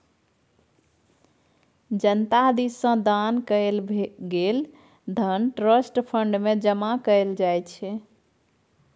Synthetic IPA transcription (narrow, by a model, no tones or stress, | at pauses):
d͡ʒənt̪ad̪isːə̃d̪ankəelbɡel | d̪ʱənʈɾəsʈpʰəɳɖmed͡ʒəmakəld͡ʒajt͡ʃʰɛ